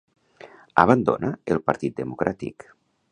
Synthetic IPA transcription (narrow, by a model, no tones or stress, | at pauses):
aβ̞and̪o̰nəelˠpaɾt̪it̪̚d̪əmukɾʔat̪ḭk